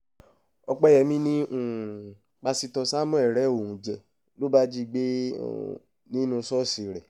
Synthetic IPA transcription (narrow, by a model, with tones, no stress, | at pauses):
ɔ˧k͡pɛ˦jɛ˨˦mĩ˦nĩ˦˨ | k͡pa˧si˧tɔ˧sa˦mɔ̃˦ɛ˦˨ɾɛ˨˦˨o˨ũ˨d͡ʒɛ˨ | lo˦ba˦d͡ʒi˦˨ɡ͡bḛ˦˨ | nĩ˦nũ˧sɔ˦˨si˨ɾɛ˨